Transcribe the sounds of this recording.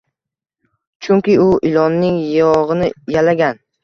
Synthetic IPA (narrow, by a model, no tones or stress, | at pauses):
t͡ʃʰʊŋkʲɪʊʔɪlɒnːɪŋjɒʁɨnɪjalaɡʲan